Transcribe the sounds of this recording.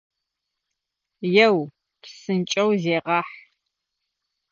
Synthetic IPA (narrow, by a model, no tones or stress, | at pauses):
jɛw | psɨnt͡ʃʼɐwzeːʁɑːħ